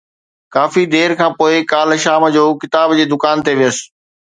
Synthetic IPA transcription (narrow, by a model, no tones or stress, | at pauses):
kaːfid̪eːɾkʰãːpoːɪkaːlʃaːmd͡ʑoːkɪt̪aːbd͡ʑeːd̪ʊkaːnt̪eʋijəsɪ̥̆